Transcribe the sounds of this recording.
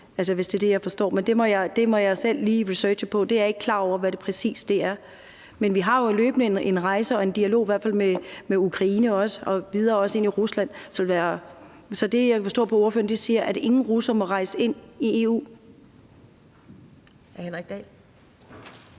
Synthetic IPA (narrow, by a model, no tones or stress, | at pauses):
æls̬əʋe̝sd̥ed̥e̝jɑ̈ɪfɒ̽sd̥ɒ̰ːmend̥e̝mɒ̽jɑ̈ɪd̥e̝mɒ̽jɑ̈ɪsel̰liːʁisø̥ːɕəpʰɒ̽d̥e̝æɐeɡ̥̚kʰlɑ̰̈ːɒ̰ʊ̰ɐʋæɾ̥e̝pʰʁɛsḭːsd̥e̝æɐ | menʋiɦɑ̈jo̝elø̰ːb̥nəene̝nʁɑ̈ɪsəɒ̽e̝nd̥iælo̝̰ːiʋæɐ̰̥fæl̰memeukʰʁɑ̈iːnəɒ̽səɒ̽ʋið̞ˠɐːɒ̽se̝niʁuslæn̰sɒlʋæːɐ | sɒ̽d̥e̝jaɪfɒsd̥ɔ̰ːpʰɒ̽oɐføːɐnd̥isiːɐʔæde̝ŋn̩ʁusɐmɒ̽ʁɑ̈ɪsəe̝n̰ie̝ːṵː | henʁɛɡ̥̚d̥ɛl